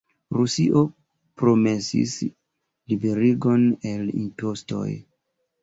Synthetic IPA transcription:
ɾusiʔo̞ | pɾo̞me̞sḭs | libe̞ɾiɡo̞ne̞lḭntosto̞̰j

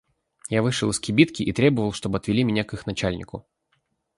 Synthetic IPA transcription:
javɨʂɨlˠɨskʲɪbʲit̪kʲɪʔit̪ɾʲebəvəlˠʂt̪o̞bəɐt̪vʲɪlʲimʲɪnʲakɨxnɐt͡ɕælʲnʲɪ̰kʊ

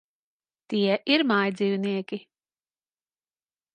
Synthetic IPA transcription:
t̪iɛʔiɾmajd̪zʲiːvniɛkʲi

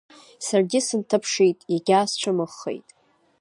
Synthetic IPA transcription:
sarɡʲɪsɨntʰɨpʰʂejtʼaɡʲaːst͡ɕʷʰamɨχːḛjtʼ

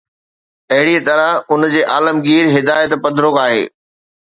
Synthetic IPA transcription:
ɐɦɪɽiət̪ɐɾəʊnd͡ʑeːʔaːləmɡiːɾɦɪd̪aːjət̪pɐd̪ʱɾokaːɦḛː

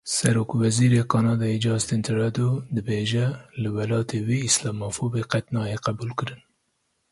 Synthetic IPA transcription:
sɛɾoːkwɛziːɾekʰɑːnɑːd̪ɑːjed͡ʒɑːzt̪ɪnt̪ʰɪɾɑd̪od̪ɨbeːʒɛlɨwɛlɑːt̪ʰewiːslɑːmɑːfoːbeqɛt̪nɑːjeqæbuːlkɨɾɨn

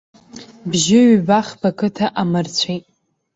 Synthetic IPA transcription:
bʒɪɥbaχbakʰɨtʰaʔamɨrt͡sʷʰejtʼ

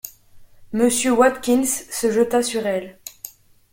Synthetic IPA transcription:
məsjøwat̪kʲinsːəʒət̪asyʁɛl

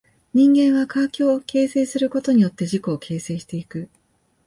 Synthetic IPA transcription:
ɲ̟ĩŋɡẽ̞ɰ̃βakakʲo̞ːkʰe̞ːse̞ːsɨɾɯ̟ko̞t̪o̞ɲ̟ijo̞t̪ːe̞ʑiko̞ːkʰe̞ːse̞ːɕi̥t̪e̞ikɯ̟

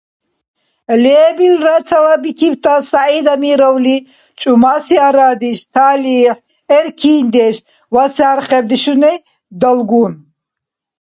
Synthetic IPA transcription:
lɛːbilɾat͡sʰalabikʰipt̪ʰasaid̪amiɾɔwli | t͡ʃʼumasiaɾaːd̪iʃt̪ʰaːliːħ | ɛɾkʰiːnd̪ɛʃ | wasaːɾχɛb̚d̪iʃunɛ | d̪ɔlɡun

